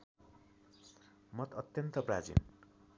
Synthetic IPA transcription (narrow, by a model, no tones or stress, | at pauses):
mʌt̪ʌt̪jʌnt̪ʌprad͡zḭn